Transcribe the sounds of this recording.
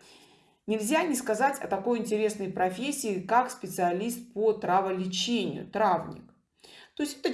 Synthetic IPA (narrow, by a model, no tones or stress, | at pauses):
nʲɪlʲzʲanʲɪskɐzatʲɐ̰t̪ɐko̞jɪnʲtʲɪɾʲe̞snəjpɾɐfʲesʲːɪːkakspʲɪt̪sɨɐlʲist̪̚pot̪ɾavəlʲɪt͡ɕenʲɪ̰jʊ̰t̪ɾavnʲɪ̰k | t̪o̞ɪsʲtʲɛ̥t̪ə